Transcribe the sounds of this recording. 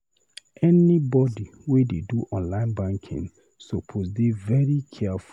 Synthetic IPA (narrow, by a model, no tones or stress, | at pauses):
ʔɛnibɔdiwideduʔɔ̃nlãɪ̃nbãŋkʰḭ̃ŋ | sopʰozdevɛɹikʰɛfu